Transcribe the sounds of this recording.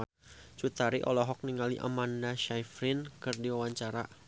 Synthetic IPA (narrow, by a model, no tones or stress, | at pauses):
t͡ʃut̪aɾiʔɔlɔɦɔk̚niŋaliʔa̰mandaʃajfɾinkɨrdiwawaɲt͡ʃaɾa